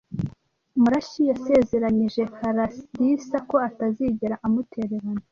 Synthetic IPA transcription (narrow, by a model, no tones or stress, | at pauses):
muɾaʃijase̞ːze̞ɾaɲiʒe̞haɾadisako̞ataziːɟeɾaʔamutʰeɾeɾana